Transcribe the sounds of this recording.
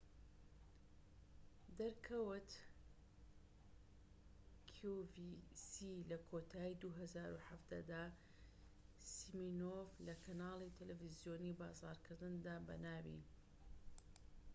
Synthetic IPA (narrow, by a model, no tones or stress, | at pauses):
d̪ɐɾkʰɐwɨt̪ | kʰuvisilɐkʰot̪ʰaːid̪uɦɐzaːɾuħafd̪̥ɐd̪aː | siminovlɐkʰɐnaːlˠit̪ʰɐlevizijoːniːbaːzɑ̰ːɾkʰɨɾd̪ɨnd̪aːbɐ̰naːwḭ